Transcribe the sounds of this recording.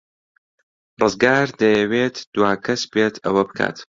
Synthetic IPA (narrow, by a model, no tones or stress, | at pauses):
rɨzɡaːɾd̪ɐjɐweːt̪ʰd̪̥waːkʰɐsbeːt̪ʰɐwɐbɨkʰa̰ːt̪